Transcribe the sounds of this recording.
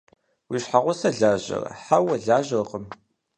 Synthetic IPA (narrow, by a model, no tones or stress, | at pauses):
wiʃħaʁʷʊsɐɮaːʑɐ̰rɐ̰ħawɐɮaːʒɐrqʼəm